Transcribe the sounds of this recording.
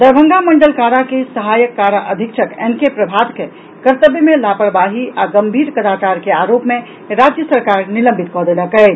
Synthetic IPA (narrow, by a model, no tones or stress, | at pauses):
d̪əɾbʱə̃ŋɡaməɳɖəlkaɾakesəɦajəkːaɾaʔəd̪ʱikʃʰəkɛnkepɾəbʱad̪ke | kəɾt̪əbjmelapəɾbaɦiaɡəmbʱiɾkəd̪at͡ʃaɾkeaɾopme | ɾad͡ʒjəsəɾkaɾnilə̃mbʱit̪kɔd̪eləkə